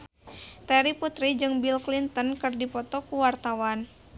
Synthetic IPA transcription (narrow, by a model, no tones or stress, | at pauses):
t̪ɛɾiput̪ɾid͡ʒɨŋbilklint̪ənkɨrdipɔt̪ɔkuwart̪awan